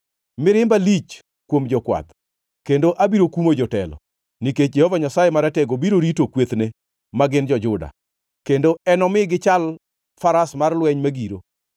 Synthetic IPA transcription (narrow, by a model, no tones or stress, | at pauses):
mɪɾɪmbalit͡ʃ | kwomd͡ʒɔkwa̰t̪ | kendoʔabiɾokumod͡ʒɔtɛ̰lɔ̰ | niket͡ʃ̚d͡ʒɛhovaɲasajemaɾɛtɛɡobiɾoɾitokwet̪ne | maɡɪnd͡ʒɔd͡ʒʊda̰ | kendoɛnɔmɪɡɪt͡ʃal | faɾasmarlwɛɲmaɡiɾo